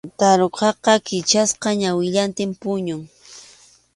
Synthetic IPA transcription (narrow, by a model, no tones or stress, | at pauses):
t̪aɾoqɑqɑkɪt͡ʃasqɑɲawɪʎant̪ɪmpʊɲʊŋ